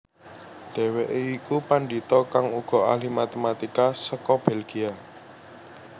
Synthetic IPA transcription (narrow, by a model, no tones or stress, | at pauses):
ɖ̥ɛ̤weʔeikupaɳɖit̪ɔkaŋuɡ̥ɔ̤alimat̪emat̪ikasəkɔb̥ɛlɡ̥ia